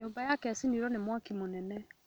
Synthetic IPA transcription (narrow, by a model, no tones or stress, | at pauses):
ombajakɛsiniɾɔnemwakimonɛnɛ